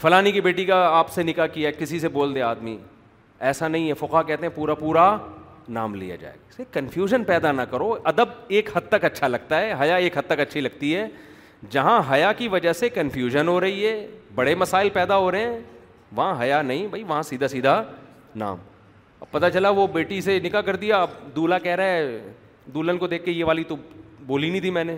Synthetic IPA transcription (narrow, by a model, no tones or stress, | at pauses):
fɐlaːnikibeːʈikaaːpsenɪkakijakɪsiseboːld̪ẽaːd̪mḭ | ɛːsanɐɦĩɦɛfʊqɦakɛːɦt̪ẽɦɛ̃puːɾapuːɾanaːmlḭja̰d͡ʒa̰ːḛːɡaɪsekːɐnfʰjuːʒənpɛːd̪anɐkɐɾoʔɐd̪əb̚eːkhɐd̪̚t̪əkɐtːʃʰalɐɡ̚t̪aɦɛɦɐjaeːkɦɐd̪̚t̪ːəkɐtːʃʰilɐɡ̚t̪iɦɛː | d͡ʒɐɦãɦɐjakiʋɐd͡ʒəɦsekɐnfʰjuːʒənɦoɾɐɦiɦɛːbɐɽemɐsaːɪlpɛːd̪aɦoɾɐɦɛ̃ː | ʋɐɦãɦɐjanɐɦĩbʱɐiʋɐɦãsiːd̪ʱasiːd̪ʱa | na̰ːm | ɐ̰b̚pɐt̪at͡ʃɐlaʋobeːʈisenɪkakɐɾd̪ijad̪uːlakɛɦɾaːɦɛ | d̪uːlənkod̪eːkʰkejeʋaːlit̪oboːlinĩt̪ʰimɛ̃ːne